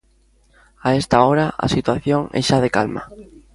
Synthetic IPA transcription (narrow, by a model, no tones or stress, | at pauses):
aest̪aoɾaa̰sit̪waθjoŋɛ̰ʃað̞ekalma̰